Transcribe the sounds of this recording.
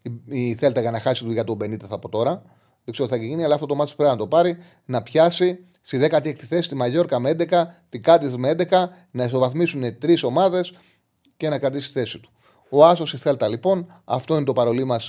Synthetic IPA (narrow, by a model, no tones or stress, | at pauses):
iiθe̞lt̪eɣɐnɐxɐsit̪uʝɐt̪obe̞nit̪eθɐpo̞t̪o̞ɾɐ | ðekseoθɐciʝiniɐlɐft̪ot̪omɐt̪ispɾepinɐt̪o̞pɐɾi | nɐpçɐsi | siðe̞kɐt̪iekt̪iθe̞si̥t̪imɐʝo̞ɾkɐmeend̪ekɐt̪iɡɐt̪ismeend̪e̞kɐ | nɐiso̞vɐθmisune̞t̪ɾiso̞mɐðe̞s | ce̞nɐkɾɐt̪̬ist̪i̥θe̞sit̪u̥ | o̞ɐso̞siθe̞lt̪ɐlipo̞n | ɐ̰ft̪oinet̪o̞pɐɾo̞limɐs